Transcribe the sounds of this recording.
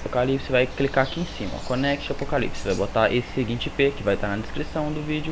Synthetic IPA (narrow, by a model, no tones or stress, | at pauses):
pokalipsɪvajklikaakiẽsĩmɐ̰konɛkt͡ʃɪapokalḭpsɪvajbot̪aʔesɪ̥sɪɡĩnt͡ʃɪpekɪvajt̪aɾnɐd̪eskɾisɐ̃w̃d̪ʊvid͡ʒʊ